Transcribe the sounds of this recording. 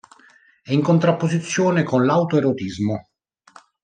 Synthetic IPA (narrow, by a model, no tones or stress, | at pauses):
ɛiŋkont̪ɾapːozit̪sːjoːnekonlawt̪oeɾot̪izmo